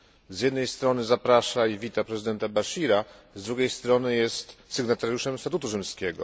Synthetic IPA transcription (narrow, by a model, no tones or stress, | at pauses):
zʲjɛd̪nɛjst̪ɾɔnɘzapɾaʂaivʲit̪apɾɛzɘd̪ɛnt̪abaɕiɾa | zd̪ɾuɡʲejst̪ɾɔnɘjɛst̪sɘɡnat̪aɾjuʂɛmst̪at̪ut̪uʐɘmskʲɛɡɔ̰